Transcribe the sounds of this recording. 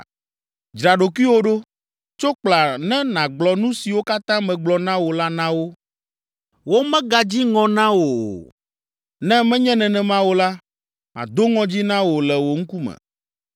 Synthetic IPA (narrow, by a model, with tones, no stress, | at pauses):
d͡ʒɾa˨ɖo˨ki˦wo˦ɖo˦ | t͡ʃo˦k͡pla˨nɛ̃˦nã˨ɡ͡blɔ˨nũ˦si˨wo˦ka˦t̪ã˦mɛ̃˨ɡ͡blɔ˨nã˦wo˨la˦nã˦wo˦ | wo˦mɛ̃˦ɡa˨d͡ʑi˦ŋɔ̃˨nã˦wo˨ | nɛ̃˦mɛ̃˦ɲɛ̃˦nɛ̃˨nɛ̃˨mã˦wo˦la˦ | mã̰˨d̪o˦ŋɔ̃˦d͡ʑi˦nã˦wo˨lɛ˨wo˨ŋ̩˦ku˦mɛ̰̃˨